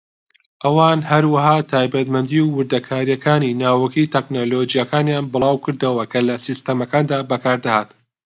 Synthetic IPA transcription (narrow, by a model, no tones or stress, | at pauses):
ʔɐwaːnhɐɾwɐɦaːt̪ʰaːjbɐt̪mɐnd̪iwwɨɾd̪ɐkʰaːɾijɐkʰaːninaːwɐkit̪ʰɛknolod͡ʒijakaːnjaːnbɨlˠɑːwkɨɾd̪ɐwɐkʰɐlɐsist̪ɐmɐkaːnd̪aːbɐkʰaːɾd̪ahaːt̪